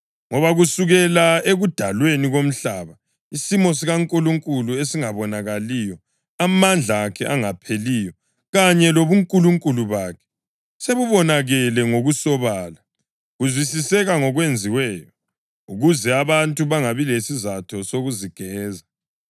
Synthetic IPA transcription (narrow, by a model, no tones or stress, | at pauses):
ŋɔβaɣusuɣɛlaeɣud̥ʱalweniɣom̩ɬaːβa | isimɔs̬iɣaŋkʼuluŋkʼuluesiŋaβɔnaɣalijɔ | amand͡ɮʱakʰɛʔaŋapʰelijɔ | ɣaɲɛloβuŋkʼuluŋkʼuluβakʰɛ̥ | seβuβɔnaɣɛlɛŋoɣusɔβaːla | ɣuzwisisɛɣaŋɔɣwend͡zʱiwɛːjɔ | uɣuzɛaβantʼuβaŋaβilesizatʰɔsoɣuziɡ̥ʱɛːza